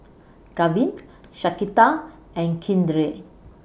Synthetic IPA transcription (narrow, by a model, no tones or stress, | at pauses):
kavĩnʃakit̪a | ɛ̃nkʰĩndɾe